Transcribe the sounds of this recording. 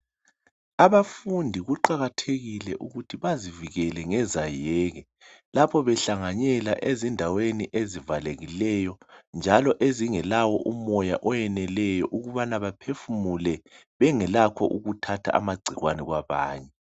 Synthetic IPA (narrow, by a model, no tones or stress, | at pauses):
aβafundʱiɣuǃaɣatʰeɣilɛʔuɣutʰiβaziviɣɛlɛŋɛzajɛːɣɛ | lapʰɔβɛɬaŋaɲɛla̰ʔezindʱaweniʔezivaleɣilɛjɔnd͡ʒʱalɔʔeziŋɛlawɔʔumɔja̰ʔɔjɛnɛlɛjɔʔuɣuβanaβapʰefumulɛ | βɛŋɛlakʰɔ̰ʔuɣutʰatʰa̰a̰maɡ͡ǀʱiɣwanɛɣwaβaːɲɛ